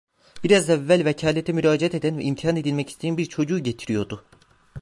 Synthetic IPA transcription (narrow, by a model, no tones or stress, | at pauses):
b̥iɾazɛvːælʲvecʰaːlʲet̪ʰɛmyɾaːd͡ʒeat̪e̞d̪ænvɛ̰ʔimt̪ʰiɦane̞d̪ilʲmɛci̥st̪ʰeinbiɾt͡ʃʰo̞d͡ʒuːɟe̞t̪ʰiɾijo̞d̪ʊ